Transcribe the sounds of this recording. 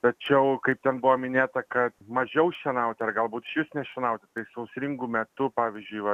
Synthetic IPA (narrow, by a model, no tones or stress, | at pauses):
t̪ɐt͡ʃʲɛʊkɐɪp̚t̪ʲɛnbʊʋoːmʲɪnʲeːt̪ɐkɐt̪mɐʒʲɛʊʃʲɛnɐʊt̪ʲɪɐrɡɐlˠbuːt̪ɪʃʲjʊsnʲɛʃʲɛnɐʊt̪ʲɪt̪ɐɪsɐʊsʲɾʲɪŋɡuːmʲɛt̪ʊpɑːʋʲizʲd͡ʒʲʊɪʋɐ